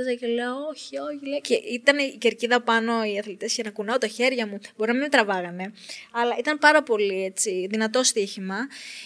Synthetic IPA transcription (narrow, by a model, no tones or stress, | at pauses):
zɐceleooçioçileceit̪ɐniceɾciðɐpɐno̞iɐθlit̪escɐnɐkunɐot̪ɐçe̞ɾʝɐmub̥o̞ɾinɐmit̪ɾɐvɐɣɐne̞ɐlɐʔit̪ɐnpɐɾɐpo̞lie̞t͡ssiðinɐt̪o̞st̪içimɐ